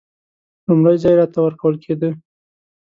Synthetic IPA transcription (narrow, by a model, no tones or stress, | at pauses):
lʊmɾajzɑjɾɑt̪awəɾkawəlkʰed̪ə